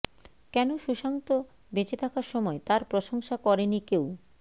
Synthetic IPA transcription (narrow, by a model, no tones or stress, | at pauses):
kɛnoʃuʃaŋt̪o | bet͡ɕet̪ʰakaɾʃɔmɔet̪aɾpɾoʃoŋʃakɔɾenikew